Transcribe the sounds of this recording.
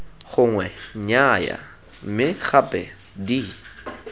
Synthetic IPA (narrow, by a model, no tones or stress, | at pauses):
χʊŋwɛɲaja̰ | m̩mɪχapʼɛ | di